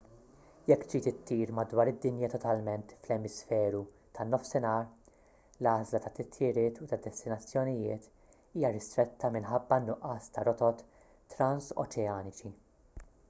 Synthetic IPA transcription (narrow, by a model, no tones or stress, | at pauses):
jɛkːt̪d͡ʒiːt̪ɪt̪ʰːiːɾmɐd̪wɐːɾɪd̪ːɪnjɐt̪ɔt̪ɐlmɛnt̪flɛmɪsfɛːɾu | t̪ʰɐnːɔfsɪnɐːɾ | lɐːzlɐt̪ɐt̪ːɪt̪ʰjɪɾɪːt̪ut̪ɐd̪ɛst̪ɪnɐt͡sːjɔnɪjɪːt̪ | iːjɐɾɪst̪ɾɛt̪ʰːɐmɪnħɐbːɐnːʊʔɐːst̪ɐɾɔt̪ɔt̪ː | ɾɐnsɔ̰t͡ʃɛɐːnɪt͡ʃi